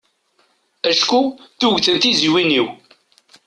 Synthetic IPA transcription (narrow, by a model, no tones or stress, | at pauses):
æʃkuθuʝθənt̪iziwiniw